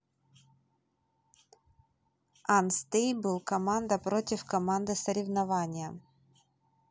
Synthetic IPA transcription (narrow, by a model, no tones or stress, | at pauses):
anst̪ʲejbɨlˠkɐmand̪ɐpɾo̞tʲɪfkɐmand̪ɨsəɾʲɪvnɐvanʲɪjə